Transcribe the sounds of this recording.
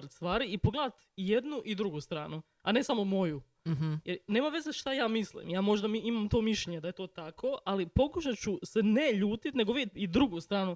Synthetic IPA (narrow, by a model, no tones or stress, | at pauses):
ɾt̪st̪ʋaːɾiipoɡled̪at̪je̞d̪nuʔid̪ɾuɡust̪ɾaːnu | ane̞samomo̞ju | jeɾne̞ːmaʋe̞zeʃt̪ajaːmislḭmjaːmo̞ʒd̪amiimamt̪o̞ːmiʃʎeɲe̞d̪aje̞t̪o̞ːt̪akʰo̞alipo̞kuʃat͡ɕusene̞ʎuːt̪it̪ne̞ɡoʋit̪id̪ɾuɡust̪ɾaːnu